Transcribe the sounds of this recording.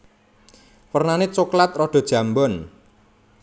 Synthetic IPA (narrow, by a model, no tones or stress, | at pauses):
wərnanet͡ʃuklat̪̚rɔɖ̥ɔ̤d̥ʒ̥ä̤mbɔn